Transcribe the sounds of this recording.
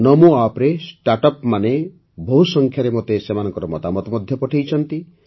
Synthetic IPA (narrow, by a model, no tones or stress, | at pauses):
nɔmuapɾesʈaɾʈɔpmane | bɔɦusɔŋkʰjaɾemot̪esemanɔ̃ŋkɔɾɔmɔt̪amɔt̪ɔmɔd̪ʱjɔpɔʈʰijt͡ʃʰɔnt̪i